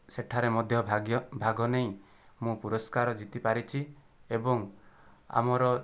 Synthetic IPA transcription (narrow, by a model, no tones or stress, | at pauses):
seʈʰaɾemɔd̪ʱjɔbʱaɡjɔbʱaɡɔneĩ | mũpuɾɔskaɾɔd͡ʒit̪ipaɾit͡ʃʰi | ebɔŋa̰mɔɾɔ